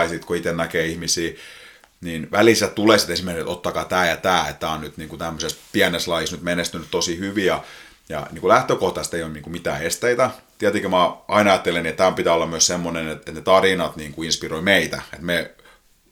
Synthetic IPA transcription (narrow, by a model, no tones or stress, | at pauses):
isit̪koit̪ennækeːihmisiː | ninʋæliˑsætt̪uleˑsi̥t̪esimːerkiet̪ot̪ːɑkɑːt̪æːjɑt̪æːḛt̪tæːonyt̪niːŋkut̪æmːøsespiæneslɑjisnyt̪menest̪ynyt̪t̪osihyʋijɑ | jɑ̰niːŋkulæht̪økoht̪ɑst̪eijomniŋkumit̪æ̰ːest̪eit̪æt̪iæt̪ikømɑɑinɑjɑt̪ːeleniet̪t̪æompit̪æːolːɑmyøssemːonenet̪et̪net̪ɑrinɑt̪niːŋkuinspiroimeit̪æ̰ḛt̪me